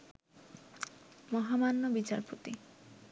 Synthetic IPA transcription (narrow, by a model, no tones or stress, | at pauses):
mɔɦamanːobit͡ɕa̰ɾpot̪i